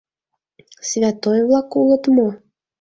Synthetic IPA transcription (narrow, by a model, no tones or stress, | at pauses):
sʲvʲat̪ɔjvlˠakulˠɤt̪mɔ